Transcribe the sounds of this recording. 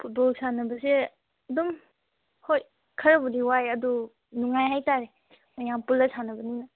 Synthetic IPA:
pʰut̚bɔlsʰanɐbɐse | ɐdum | hoj | kʰɐɾɐbudiwajɐdu | nuŋajɦajtaɾe | majaŋpulɐsanɐbɐninɐ

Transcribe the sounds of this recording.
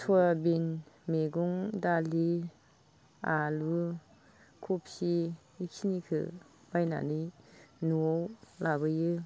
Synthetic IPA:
tʰɔɾabinmeɡuŋdali | alu | kʰupʰiː | kʰinikʰɯ̰ | b̥ajna̰nɯjnuɔwlabɯjɯ

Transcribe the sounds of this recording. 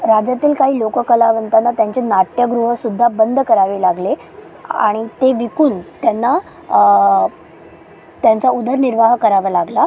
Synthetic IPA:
ɾad͡ʑat̪iːlkaɦiːlokəkəlaʋənt̪anːat̪jaɲt͡ɕenaʈjəɡɾuɦəsud̪ʱːabənd̪ʱkəɾaʋiːlaɡle | a̰ɽ̃it̪eʋikuːnt̪janːa | t̪jant͡saud̪ʱəɾniɾʋaɦkəɾaʋəːlaɡla

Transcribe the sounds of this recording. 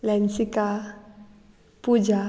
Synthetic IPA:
lɛnsika | pud͡ʒa

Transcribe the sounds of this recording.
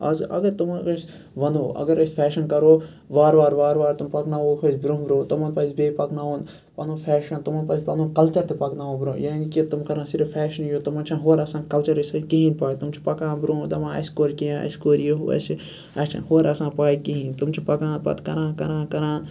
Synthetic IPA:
ɐ̰zɐ̰ɡɐɾt̪umkɐs | ʋɐnuːɐ̰ɡɐɾɐsʲpʰɛːʃɐnkɐɾoː | ʋaːɾʋaːɾʋaːɾʋaːɾt̪umpɐknaːoːkʰosbɾõːbɾõːt̪ɐmɐnpɐsbeːipɐknaːõːn | pɐnõːpʰɛːʃɐnt̪umɐnpɐspɐnũːkɐlt͡ʃɐɾt̪ʰepɐknaːõːbɾõ̰ːjaːnikit̪umkɐɾãːsiɾɐfpʰɛːʃɐnjoːt̪ɐmɐːt͡ʃʰãːɦoːɾɐsãːkɐlt͡ʃɐɾɐsɐkiɦĩnpaːt̪umt͡ʃʰi̥pɐkãːnbɾõːd̪ɐmãːɐ̰skoːɾkijãɐ̰skoːɾjoɦɐ̰si | ɐst͡ʃʰã̰ːhoːɾɐsãːpaːikiɦĩːnt̪umt͡ʃʰipɐkãːnpɐ̰t̪kɐɾãːnkɐɾãːkɐɾãːn

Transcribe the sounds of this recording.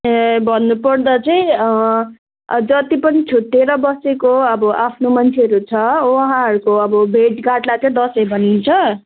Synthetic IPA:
bʱʌnːupʌrd̪ʌt͡saĩʌ | d͡zʌt̪ipʌnit͡sʰuʈːeɾʌbʌsekoʌbʌʔapʰnomʌnt͡sʰeʌɾut͡sʰʌwʌɦãɦʌɾukoʌbʌbʱeʈɡaʈlat͡sʌĩd̪ʌsʌjbʱʌnint͡sʰʌ

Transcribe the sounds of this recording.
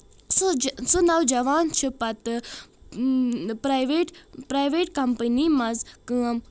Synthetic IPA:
sosonawd͡ʒɐʋaːnt͡ʃʰipɐt̪ɨ | pɾajʋeʈpɾajʋeːʈkɐmpənimɐzkɨɐm

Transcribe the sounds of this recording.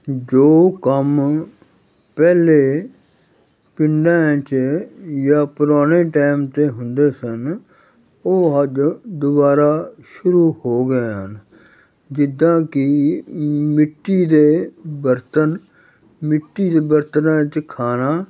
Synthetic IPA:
d͡ʒoːkəm | pɛːleː | pɪɳɖãːt͡ʃ | jaːpʊɾaːneːʈaːmt̪eːɦʊnd̪eːsən | oːɦəd͡ʒd̪ʊbaːɾaːʃʊɾuːhoːɡəeːɦən | d͡ʒɪd̪ãːkɪ | mɪʈːiːd̪eːbəɾt̪ən | mɪʈːiːd̪eːbəɾt̪nãːt͡ʃkʰaːnaː

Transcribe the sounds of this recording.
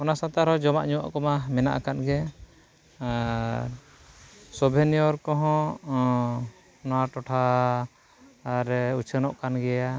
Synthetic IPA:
ɔnasãt̪aɾɦɔd͡ʒɔmaʔɲuwa̰ʔkɔmamɛna̰ʔakanɡɛ | sɔbʱɛnijɔɾkɔɦɔ̃ | nɔwaʈɔʈʰa | ɾut͡ʃʰənɔʔkanɡɛja

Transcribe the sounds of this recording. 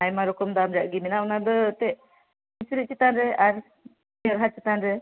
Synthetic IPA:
ajmaɾɔkɔmd̪amɾiaʔɡiminaɔnad̪ɔt̪ɛʔ | isɾit͡ʃit̪anɾɛaɾ | ijaɾɦat͡ʃit̪anɾɛ

